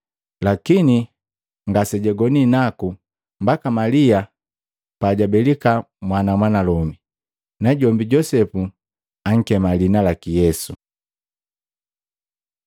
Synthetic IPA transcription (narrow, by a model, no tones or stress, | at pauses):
lakini | ŋɡasɛɟɛɡɔninaku | mbakamalia | paɟabɛlika | mwanamwanalɔmi | naɟɔmbiɟɔsɛpu | aŋ̩kɛmalinalakijɛsu